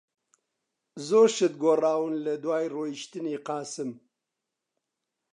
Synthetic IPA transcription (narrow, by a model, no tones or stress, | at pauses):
zoːɾʃɨt̪̚ɡoraːwɨnlɐd̪waːjroːjiʃt̪ɨneːqɑːsɨm